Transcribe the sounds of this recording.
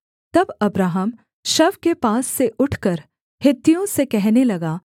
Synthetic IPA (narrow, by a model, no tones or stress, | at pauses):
t̪ɐbɐbɾaːɦəm | ʃɐʋkepaːsːeʔʊʈʰkɐɾ | hɪt̪ːijõsekɛɦnelɐɡaː